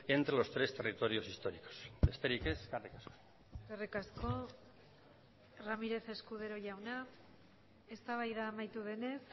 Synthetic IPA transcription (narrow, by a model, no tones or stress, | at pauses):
e̞nt̪ɾelo̞st̪ɾe̞st̪e̞rit̪o̞ɾio̞sist̪o̞ɾiko̥sbe̞st̪e̞ɾike̞zɡarikasko̥ | ɡarekasko̞ | ramiɾe̞θe̞skuðe̞ɾo̞ʝawna | e̞st̪aβajðaːmajt̪uð̞e̞ne̞s